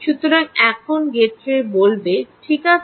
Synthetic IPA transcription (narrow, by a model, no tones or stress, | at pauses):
ʃut̪oɾaŋɛkʰonɡeɾt͡ɕʰebolbeʈʰika